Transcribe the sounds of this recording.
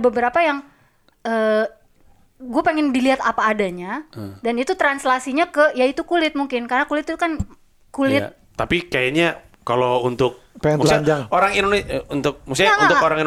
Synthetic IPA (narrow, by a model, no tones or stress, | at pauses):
bəbəɾapajaŋ | əː | ɡuapeŋɪndiliɦat̪apaːdaɲadanit̪ut̪ɾanslasiɲakəjait̪ukulɪt̪̚muŋkɪnkarnakulɪt̪t̪ukan | kulɪt̪ | t̪apikajaɲa | kalount̪ʊk̚pemud͡ʒaŋoɾaŋinoneunt̪ʊk̚musɪunt̪ʊkoɾaŋin